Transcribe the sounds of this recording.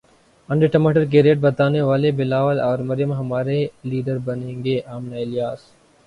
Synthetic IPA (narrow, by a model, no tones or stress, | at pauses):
ɐ̃ɳɖəʈɐmaːʈəɾk̬eɾeːʈ̚bɐt̪aːneʋaːlebɪlaːʋəlɔːɾmɐɾjəmɦɐmaːɾeliːɖəɾbɐnẽːŋɡeʔaːmnaɪlijaːs